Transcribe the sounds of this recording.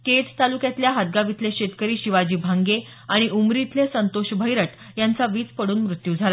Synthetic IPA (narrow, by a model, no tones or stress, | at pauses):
ket͡st̪alukjat̪ljaɦad̪̚ɡaʋit̪leɕet̪kəɾiːɕiʋad͡ʑiːbʱaŋɡe | aɽ̃iʔumɾit̪lesənt̪oɕbʱəjɾəʈ | jant͡saʋiːt͡spəɽuːnmɾut̪juːd͡zʱala